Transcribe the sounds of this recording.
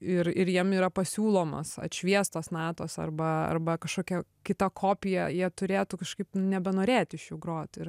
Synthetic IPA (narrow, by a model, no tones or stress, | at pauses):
ɪrɪɾjiɛmiːɾɐpɐsʲuːlˠoːmɐ̰sɐ̰t̪ʲʃʲʋʲiɛst̪oːsnɑːt̪oːsɐ̰rbɐɐ̰rbɐkɐʃkoːkʲɛkʲɪt̪ɐkʰoːpʲɪjɛjiɛt̪ʊɾʲeːt̪uːkɐʃkɐɪpnʲɛbʲɛnoːɾʲeːt̪ʲɪʃjʊɡɾoːt̪ʲɪr